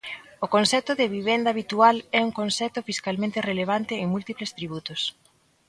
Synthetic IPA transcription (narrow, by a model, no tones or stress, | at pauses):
okonsɛt̪ʊðeβiβ̞end̪aβit̪ualɛuŋkonsɛt̪ofiskalmẽnt̪ereleβ̞ant̪ɪːŋmult̪iplest̪ɾiβ̞ut̪os